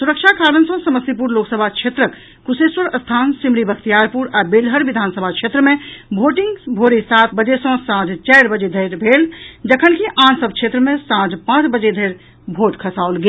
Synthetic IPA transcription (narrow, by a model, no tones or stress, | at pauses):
suɾəkt͡ʃʰakʰaɾənsə̃səməsip̬uɾloksəbʱakt͡ʃʰet̪ɾək | kuseswəɾəst̪ʰansimɾibəkʰt̪ijaɾpuɾabelɦəɾʋid̪ʱansəbʱakt͡ʃʰet̪ɾəmẽbʱoʈiŋɡbʱoɾisat̪ʰbəd͡ʒesə̃sãd͡ʒt͡ʃaɪɾbəd͡ʒed̪ʱəɾbʱeld͡ʒəkʰənkiʔãnsəbkt͡ʃʰet̪ɾəmẽsãd͡ʒpãːt͡ʃbəd͡ʒed̪ʱəɪɾ | bʱoʈ̪kʰəsaolɡel